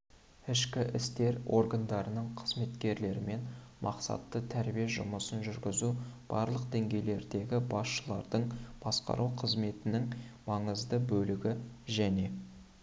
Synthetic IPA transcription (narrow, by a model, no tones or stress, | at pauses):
ɪʃkʲɪʔɪst̪e̞ɾo̞ɾɡand̪ɑɾənəɴqʰəzme̞t̪kʲe̞ɾle̞ɾɪme̞nmʔɑ̰qsɑ̰t̪ːət̪ʰæɾbijeʒʊ̰məsənʒʏɾɡʲɪzub̥ɑɾlˠəq̚d̪e̞ŋɡʲe̞jle̞ɾd̪e̞ɡʲɪbɑsʃəlˠɑ̰ɾd̪əɴb̥ɑsqɑ̰ɾʔuqʰəzme̞t̪ɪnɪŋmɑɴəzd̪əbɵlɪɡʲɪʒæne̞